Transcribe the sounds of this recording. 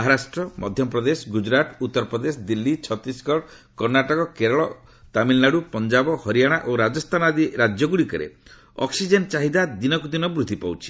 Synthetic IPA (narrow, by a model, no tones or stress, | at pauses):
maɦaɾasʈɾɔmɔ̰d̪ʱjɔpɾɔd̪esɔɡud͡ʒɾat̪ut̪ːɔɾɔpɾɔd̪esɔd̪ilːit͡ʃʰɔt̪ɾisɡɔɽkɔɾnaʈɔkɔkeɾɔɭɔ | t̪amilnaɽupɔnd͡ʒabɔhɔɾijaɽ̃aʔoɾad͡ʒɔst̪ʰanad̪iɾad͡ʒjɔɡuɽikɔɾḛ | ɔ̰ksid͡ʒent͡ʃaɦid̪ad̪inɔkud̪inɔbɾut̪ipawt͡ʃʰi̥